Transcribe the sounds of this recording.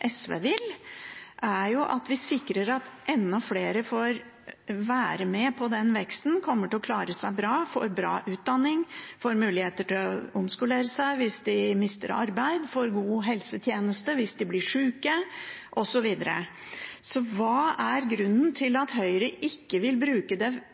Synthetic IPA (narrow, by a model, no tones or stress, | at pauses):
ʔɛsʋḛːʋɪlʔæɾjʊʔɑt̪ʋɪsɪkɾəɾɑt̪ʔɛnːɔfleːɾəfoːɾ | ʋæːɾəmɛpʰɔd̪ɛnʋɛkst̪n̩kʰɔmːəʈɪlɔkʰlɑːɾəsæɪbɾɑːfɔ̰ɾbɾɑ̰ːʔʉːt̪̚d̪ɑnːɪŋfoɾmʉːlɪheːt̪əʈʰɪlɔ̰ʊmskʉleːɾəsæɪʋɪsd̪ɪmɪst̪ə̰ɾɑ̰ɾbæɪd̪fɔɾɡuːɦɛlsət̪ʰjeːnəst̪əʋɪsd̪ɪblɪʂʉːkəʔɔsɔʋiːd̪əɾə̰ | sɔʋɑːæɾɡɾʉnːnt̪ʰɪlɑt̪ɦœʏɾəʔɪkːəʋɪlbɾʉːkəd̪ɛ